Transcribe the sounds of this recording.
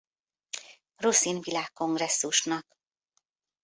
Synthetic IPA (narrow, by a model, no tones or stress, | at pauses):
rusiːnvilaːkːo̞ŋɡrɛsːuʃnɒk